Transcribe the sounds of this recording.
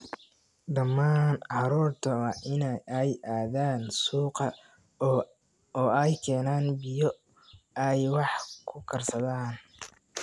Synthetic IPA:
d̪ɐmːaːnʕɑɾɔːrt̪ʰɐwɑːʔɪnɛjɛjʔaːðaːnsuːqɐ | ɔːɛjkʰɛːnaːnbɪjɔ | ɛjwɑħkʰʊkʰɐrsɐðaːn

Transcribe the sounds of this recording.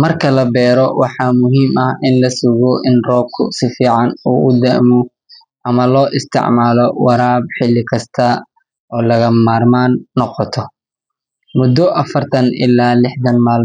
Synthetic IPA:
mɐrkʰɐlɐbɛːɾɔwɑħɑːmʊɦiːmɐhɪnlɐsʊɣɔʔɪnrɔːb̚kʰʊ̰sɪfiːʕɑnṵːʔʊd̪ɛːmɔ | ʔɐmɐlɔːʔɪst̪ʰɪ̰ʕmaːlɔwɑɾaːb̚ħɪlːɪkʰɐst̪ʰɐ | ɔːlɐɣɐmaːrmaːnːɔqɔt̪ʰɔ | mʊd̪ːɔʔɐfɐrt̪ʰɐnɪ̰lːaːlɪħd̪ɐnmaːl

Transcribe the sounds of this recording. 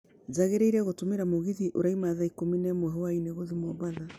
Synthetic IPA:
zaɣeɾeiɾɛɣotomeɾamoɣiðiʔoɾaimaðaikominɛmwɛɦɔaineɣoðimwɔβaða

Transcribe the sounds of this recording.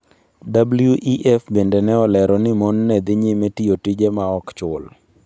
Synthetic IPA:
dabljuʔiʔɛfbendenɛɔlɛɾɔnɪmɔnːɛd̪ɪɲɪmetiotid͡ʒemaɔkt͡ʃʊl

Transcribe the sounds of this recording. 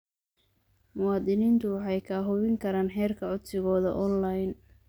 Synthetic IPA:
mʊwɑːd̪ɪniːnt̪ʰʊwɑħɑjkʰaːɦʊβɪŋkʰɐɾaːnħɛːrkʰɐʕʊd̪sɪɣɔːðɐ̰ʔɔnlajn

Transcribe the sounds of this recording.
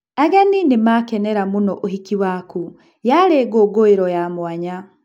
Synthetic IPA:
aɡaninemakɛnɛɾamunɔʔoɦikiwaku | jaɾeːɡoːɡoeɾɔjamwaɲa

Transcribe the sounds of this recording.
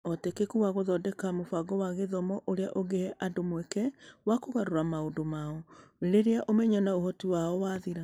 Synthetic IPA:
ɔtekekuwaɣoðɔdɛkamofaɡɔwaɣeðɔmɔʔoɾeaʔoɣehɛʔadomwɛkɛwakoɣaɾoɾamaodomaɔɾeɾeaʔomɛɲɔnaohɔtiwaɔwaːðiɾa

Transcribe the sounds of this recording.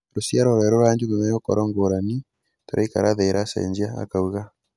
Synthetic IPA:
ɾosjaɾɔɾɛɾoɾaːɲd͡ʒuɣemajokɔɾɔŋɡoɾani | toɾaika̰ɾaðeɾasḛɲd͡ʒiaa̰kauɣa

